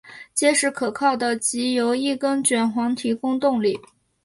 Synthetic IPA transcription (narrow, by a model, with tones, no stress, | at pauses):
t͡ɕjɛ˥ʂɻ̩˧˥˩kʰɤ˨˩kʰɑ˥˩ʊd̪ə˩t͡ɕi˧˥jo˧˥ʊi˥˩kə˥nt͡ɕɥɛ˨˩nxwɑ˧˥ŋt̪ʰi˧˥kʊ˥ŋt̪ʊ˥˧ŋli˥˩